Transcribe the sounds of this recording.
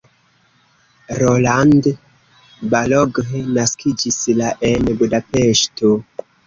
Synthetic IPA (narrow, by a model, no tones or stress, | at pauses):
ɾoland | baloɡenaskʰid͡ʒislaʔenbudape̞ʃto